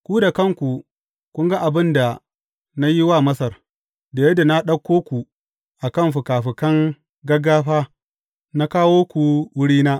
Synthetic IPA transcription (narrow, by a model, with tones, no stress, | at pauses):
kʷu˦da˨kɐ˦˨ŋkʷu˨ | kʷʊ˦ŋɡa˦ʔa˨bɪ˦nda˨ | na˦ji˦waː˦˨mɐ˦sɐ˨r | da˨jɛ˦da˨na˦ɗɐ˦kʷːoː˦kʷu˨ | ʔa˨kɐ˦˨mɸu˨kaː˨ɸɪ˨kɐ˦ŋ | ɡɐ˦ɡaː˦ɸaː˦ | na˦kaː˦woː˦kʷu˨wʊ˦ɽiː˦naː˦